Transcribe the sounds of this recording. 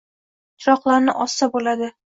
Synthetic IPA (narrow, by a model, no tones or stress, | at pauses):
t̪ʰɾɒqlˠaɾnɪʔɒsːabolad̪ɪ